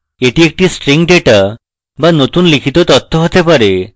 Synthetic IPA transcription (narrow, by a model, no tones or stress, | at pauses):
eʈiek̚ʈisʈɾiŋɖeʈa | banot̪unlikʰit̪ot̪ɔt̪ʰːoɦot̪epaɾe